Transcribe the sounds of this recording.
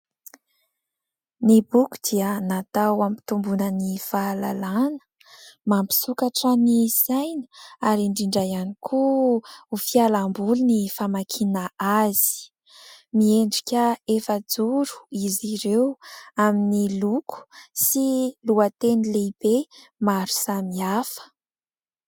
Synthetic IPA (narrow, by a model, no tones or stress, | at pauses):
nibuku̥d̪̥iənat̪awampi̥t̪umbunənifaːlalanə̥ | mampi̥sukaʈ͡ʂənisajnəaɾiɳɖ͡ʐiɳɖ͡ʐajanikʰu | ufialambulunifamakʰinaaz̥i̥ | mieɳɖ͡ʐikʲəefəd͡zuɾu̥iziɾewaminilukʰu̥siluat̪enileib̥e | maɾu̥samiafə̥